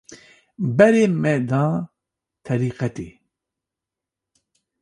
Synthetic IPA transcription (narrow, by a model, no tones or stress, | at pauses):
bɛɾeːmɛd̪ɑː | t̪ʰɛɾiːqɛt̪ḛː